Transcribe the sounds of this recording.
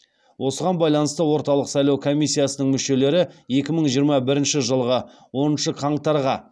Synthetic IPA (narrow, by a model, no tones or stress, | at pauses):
wʔo̞səʁɑnbɑjlˠɑnəst̪əwo̞ɾt̪ɑlˠəqsɑjlˠɑwkʰo̞mijsːijasənəɴmʏʃe̞le̞ɾɪe̞kʲɪməɴʒijəɾmɑbɪɾɪnʃɪʒəlˠʁə | wo̞nənʃəqʰɑɴt̪ɑɾʁɑ